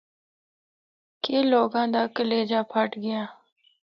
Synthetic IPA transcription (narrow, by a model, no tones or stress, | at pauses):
keːloːɡãːd̪aːkəleːd͡ʒaːpʰaːʈɡɪjãː